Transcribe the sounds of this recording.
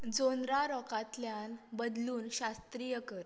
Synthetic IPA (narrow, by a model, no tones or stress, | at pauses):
d͡zonɾaɾɔkat̪ljanbəd̪luːnɕast̪ɾijəkəɾ